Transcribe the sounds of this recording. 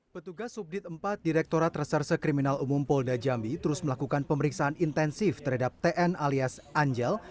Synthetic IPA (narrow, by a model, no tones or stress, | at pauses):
pət̪uɡasːup̚dɪt̪̚əmpat̪̚diɾɛk̚t̪oɾat̪rəsərsəkɾiminalumʊmpɔldad͡ʒambit̪əɾʊsməlakukanpəməɾiksaɦanint̪ɛnsɪft̪ərɦadap̚t̪eʔɛnaliasaɲd͡ʒɛl